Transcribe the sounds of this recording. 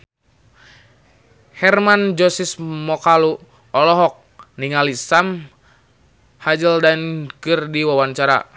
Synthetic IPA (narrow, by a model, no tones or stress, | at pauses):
hɛrmand͡ʒɔsismɔkalu | ɔlɔɦɔk̚niŋalisam | had͡ʒəldankɨrdiwawaɲt͡ʃaɾa̰